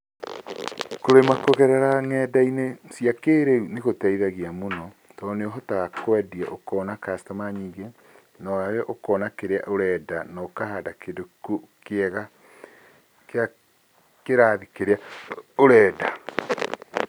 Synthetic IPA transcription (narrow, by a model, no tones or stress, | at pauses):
koɾemakoɣɛɾɛɾaŋɛːdainesiakeːɾeuneɣotaiðaɣiamonɔ | tɔneoɦɔtaɣakwɛdiɛʔokɔːnakastamaɲiːɡe | naaɣɛʔokɔnakeɾea̰ʔoɾɛdanakaɦadakedokukeɛɣa | ka | keɾaːðikeɾeaoɾɛːda